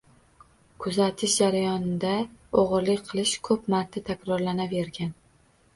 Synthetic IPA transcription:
kʰʊzat̪ʰɪʃd͡ʒaɾajɒnɪd̪aoʁɨɾlɪkʲqʰɨlˠɪʃkʰɵpmaɾt̪ʰat̪ʰakʲɾɒɾlanave̞ɾɡʲan

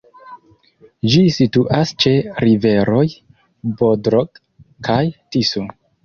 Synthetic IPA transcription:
d͡ʒisituʔast͡ʃe̞ɾive̞ɾo̞j | bodɾoɡ | kʰajtisu

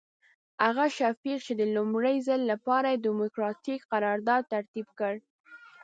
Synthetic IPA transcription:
haɣaʃafiq̚t͡ʃed̪əlʊmɽəjzəlːapɑɾajed̪imʊkɾɑt̪ikqaɾɑɾd̪ɑd̪̚t̪aɾt̪ibkəɽ

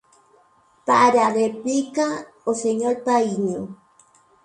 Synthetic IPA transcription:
paɾaðepika | oseɲolpajɲo

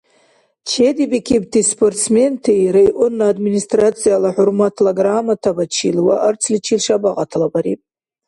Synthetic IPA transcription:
t͡ʃʰedibikʲʰibtʰispʰortt͡smentʰejɾajʔʷʊnːaːdministʼrat͡sʰijalaħʊrmatʰlaɡramatʰabat͡ʃʰḭlwaʔərt͡sʰlit͡ʃʰilʂabaqʼatʰlabaɾḭpʼ

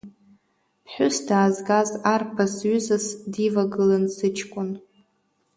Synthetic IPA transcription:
pʰħʷᶣʊsdaːzɡazarpʰasɥʏzasdivaɡɨlansɨt͡ʃʰkʷʼʊn

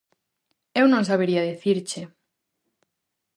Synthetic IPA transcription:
ewnõŋsaβ̞eɾiaðeθiɾt͡ʃe

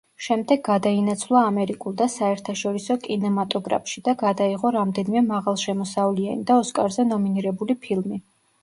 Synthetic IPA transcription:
ʃɛmd̪ɛɡɡad̪ainat̪sʰvlˠaːmɛɾikʼulˠd̪asaɛɾt̪ʰaʃɔɾisɔkʼinɛmat̪ʼɔɡɾa̰pʰʃid̪aɡad̪aiʁɔɾamd̪ɛnimɛmaʁalˠʃɛmɔsavlianḭd̪aɔskʼaɾzɛnɔminiɾɛbulipʰilˠmi

